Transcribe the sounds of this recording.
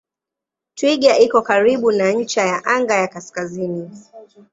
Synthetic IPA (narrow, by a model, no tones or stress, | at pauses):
twiɠaʔikɔkaɾiɓunaɲ̩t͡ʃajaʔaŋɡajakaskazini